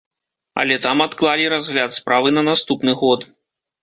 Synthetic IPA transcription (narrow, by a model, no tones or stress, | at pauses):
ɐ̰lʲɛt̪amat̪klˠalʲiɾazɣlʲat̪spɾavɨnɐnast̪upnɨɣɔt̪